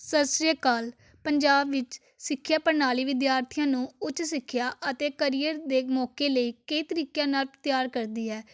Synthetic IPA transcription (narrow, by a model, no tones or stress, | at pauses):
səsɾijəkaːl | pəɲd͡ʒaːbʋɪt͡ʃ | sɪkʰːjaːpəɾnaːliːʋɪd̪jaːɾt̪ʰɪjãːnũːʊt͡ʃsɪkʰːjaːʔət̪eːkəɾiːəɾd̪eːmɔːkeːləiːkəiːt̪əɾiːkjãːnaːlpt̪jaːɾkəɾd̪iːɛː